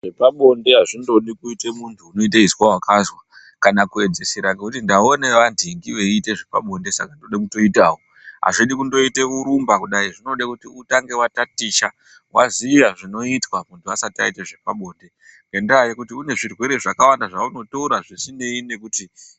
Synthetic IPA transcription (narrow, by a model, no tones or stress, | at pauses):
ʐepaɓo̞nde̞ɦaʐindo̞ɗikuitemuntʰuːno̞it̬aiswawakazwa | kanakue̞d͡ze̞siɾaŋɡekutindao̞ne̞ʋandʱiŋɡiʋe̞ite̞ʐe̞pa̰ɓo̞nde̞sa̰kandoɗakuto̞itawo | ɦa̰ʐiɗikundo̞ite̞uɾumbakuɗaiʐino̞ɗakutiutaŋɡe̞watatit͡ʃa | waziiʋaʐino̞itwamuntʰuasatia̰iteʐe̞paɓo̞ːnde̞ŋɡe̞ndajikutiune̞ʐirwe̞ɾe̞ʐakawandaʐauno̞touɾaʐisine̞ine̞kuti